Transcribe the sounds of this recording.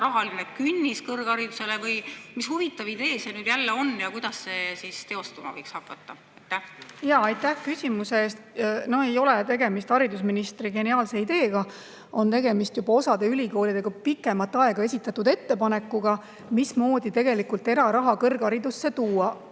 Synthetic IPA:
ɾɑɦɑlinekynʲːiskɤrɡ̥ɑɾid̪use̞levɯjmishuvit̪ˑːɑvid̪e̞ːsenyːd̪̥jælːeo̞njɑkujd̪̥ɑsːe̞sist̪e̞o̞st̪umɑ̰vɤjkshɑkːˑɑt̪ːɑ | ɑjt̪ːˑæhjɑːɑjt̪ːæhkysʲimuseeːst̪no̞he̞jo̞let̪e̞ɡe̞mist̪hɑɾid̪usminist̪riɡe̞niɑːlse̞id̪e̞ːɡ̥ɑ | o̞nt̪e̞ɡe̞mist̪jubɑo̞sɑd̪e̞ylʲiko̞ːlʲid̪̥e̞ɡ̥ɑpikːˑe̞mɑt̪ːɑe̞ɡ̥ɑe̞sʲit̪ːˑɑt̪ːud̪e̞t̪ːe̞pɑne̞kːˑuɡ̥ɑ | mismo̞ːd̪it̪e̞ɡ̥elikult̪e̞ɾɑɾɑɦɑkɤrɡɑɾid̪usːe̞t̪uːɑ

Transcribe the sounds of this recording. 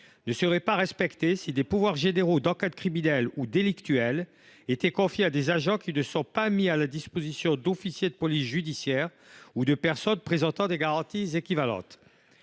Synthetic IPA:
nəsəʁɛpaʁɛspɛkt̪esid̪epuvwaʁʒeneʁod̪ɑ̃kad̪kχiminɛlud̪elikt̪yɛl | et̪ɛkɔ̃fjead̪ezaʒɑ̃kʲinəsɔ̃pamialad̪ispozisjɔ̃d̪ofisjed̪əpɔlisʒyd̪isjɛʁ | ud̪əpɛʁsɔnpχezɑ̃t̪ɑ̃d̪eɡaʁɑ̃t̪izekʲivalɑ̰̃t̪

